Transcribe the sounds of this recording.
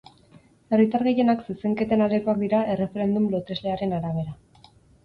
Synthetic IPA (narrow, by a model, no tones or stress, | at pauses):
e̞rit̪aɾɣe̞je̞naksuse̞ŋke̞t̪e̞nald̪eko̞ak̚d̪iɾae̞re̞fe̞ɾe̞nd̪umlo̞t̪e̞zle̞aɾe̞naɾaβ̞e̞ɾa